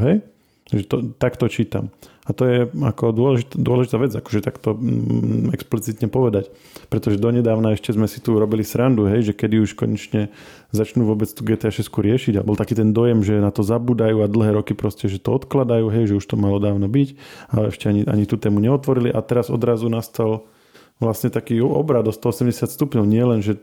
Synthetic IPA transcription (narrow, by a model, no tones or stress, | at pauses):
ɦɛj | ʒɛt̪ɔt̪akt̪ɔt͡ʃiːt̪a̰m | at̪ɔjɛakɔd̪ʊɔlɛʒit̪d̪ʊɔlɛʒit̪aːʋɛd͡zakɔ̥ʒɛt̪akt̪ɔ | ɛksplit͡sit̪ɲɛpɔʋɛd̪ac | pɾɛt̪ɔʒɛd̪ɔɲɛd̪aːʊnaɛʃcɛzmɛsi̥t̪uɾɔbilisɾand̪uɦɛjʒɛkɛd̪iuʃkɔɲɛt͡ʃɲɛ | zat͡ʃnuːʋʊɔbɛt͡st̪uːɡɛːt̪ɛaʃɛskuɾɪɛʃiɟabɔlˠt̪akiːt̪ɛnd̪ɔjɛmʒɛnat̪ɔzabuːd̪ajuːad̪l̩ˠɦɛːɾɔkipɾɔscɛʒɛt̪ɔɔt̪klad̪ajuːɦɛjʒɛuʃt̪ɔmalɔd̪aːʊnɔbicaɛ̰ʃcɛaɲiʔa̰ɲit̪uːt̪ɛːmuɲɛɔt̪ʋɔɾiliʔat̪ɛɾazɔ̰d̪ɾazunast̪al | ʋlasɲɛt̪akiːɔ̰bɾad̪ɔst̪ɔɔsɛmɟɛsɪat̪st̪upɲɔʊɲɪɛlɛnʒɛ